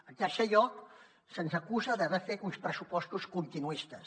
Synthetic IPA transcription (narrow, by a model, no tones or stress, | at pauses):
ək̪ɛʃəʎɔk | sənzəkuzəðəβɛfet̪unspɾəsupɔst̪uskunt̪inuist̪əs